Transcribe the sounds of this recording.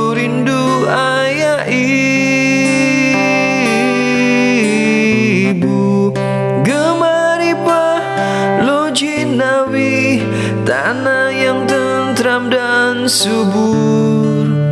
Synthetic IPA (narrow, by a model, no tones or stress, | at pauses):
ɾindu | a | jaʔi | bu | ɡəmaɾipa | lo | d͡ʒi | nawi | t̪a̰ | najaŋt̪ə | nt̪ɾamdansubu | r